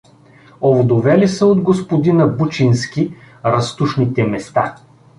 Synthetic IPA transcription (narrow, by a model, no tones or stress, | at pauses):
ovod̪ovɛlisəod̪ɡospod̪inəbut͡ʃinskʲi | ɾɐst̪uʃnit̪ɛmɛst̪a